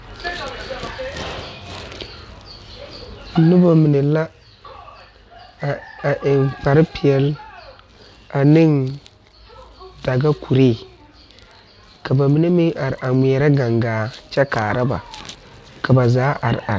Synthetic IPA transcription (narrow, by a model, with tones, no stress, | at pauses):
nʊ˦ba˨mi˨ne˨la˦˨ | a˨ʔɪ˨nk͡pa˨ɾɪ˦pi˨ɛ˨l | a˨nɪ˦ŋ | da˨ɡa˦kʰu˨ɾeː˦˨ | ka˨ba˨mi˨ne˦mɪ˦ŋʔa˨ɾʔa˨mi˨ɛ˨ɾa˦ɡa˨ŋɡaː˨t͡ʃɛ˦kaː˨ɾa˦ba̰˨ | ka˨ba˨zaː˨˦ʔa˨ɾ̰a̰˨ɾ